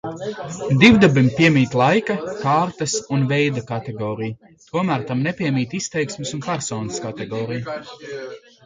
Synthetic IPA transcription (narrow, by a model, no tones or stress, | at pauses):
d̪iwd̪abimpʲiɛmʲiːt̪lˠajkakaːɾt̪ɐsunvɛjd̪akat̪eɡɔːɾij | t̪uɔmæːɾt̪amnɛpʲiɛmiːt̪ist̪ɛjksmɪsunpɛɾsɔːnəskat̪ɛɡɔːɾij